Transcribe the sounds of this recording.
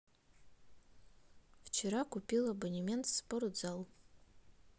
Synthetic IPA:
ft͡ʃʰeɾakupʲilˠabonʲimʲe̞ntʰspʼoɾd͡zal

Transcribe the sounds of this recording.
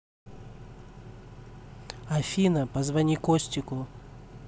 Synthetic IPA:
ɐfʲinɐpɐzvɐnʲikosʲtʲɪkʊ

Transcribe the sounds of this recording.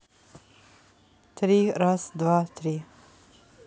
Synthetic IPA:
t̪ʰɾiːɾasd̪vaːt̪ʰɾiː

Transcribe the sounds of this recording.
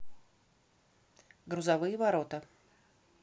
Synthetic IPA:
ɡɾʊzɐvɨjəvɐɾot̪ə

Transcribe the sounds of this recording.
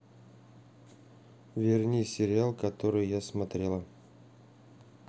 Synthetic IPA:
vʲɪrnʲisʲɪɾʲɪalˠkɐt̪oɾɨjjasmɐt̪ɾʲelˠə

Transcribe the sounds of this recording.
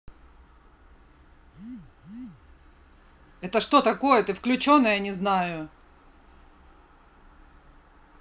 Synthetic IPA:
ɛt̪əʂt̪o̞t̪ɐko̞jət̪ɨfklʲʉt͡ɕo̞nːəjanʲɪznajʊ

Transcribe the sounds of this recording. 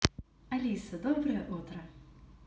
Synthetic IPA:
ɐlʲisɐd̪obɾɨjɛʔut̪ɾɐ

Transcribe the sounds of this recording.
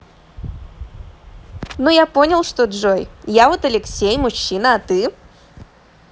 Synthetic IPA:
nujaponʲɪlˠʂt̪odʐojjavot̪ɐlʲɪksʲejmʊɕːinəɐt̪ɨ

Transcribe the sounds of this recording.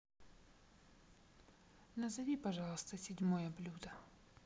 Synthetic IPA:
nɐzɐvʲipɐʐɑlˠəst̪əsʲɪdʲmojəblʲud̪ə

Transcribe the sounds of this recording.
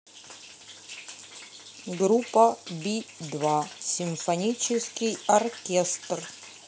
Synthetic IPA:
ɡɾupːəbʲid̪vasʲɪmfɐnʲit͡ɕɪskʲɪjɐrkʲest̪r

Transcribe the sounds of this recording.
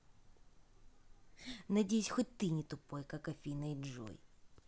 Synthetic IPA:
nɐdʲejsʲxot̚ʲt̪ɨnʲɪt̪ʊpojkakɐfʲinɐjʐo̰j

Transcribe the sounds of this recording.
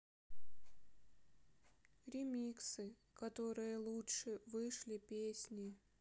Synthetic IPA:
ɾʲɪmʲiksɨ | kɐt̪o̞ɾɨjəlˠutʂɨvɨʂlʲɪpʲesʲnʲɪ

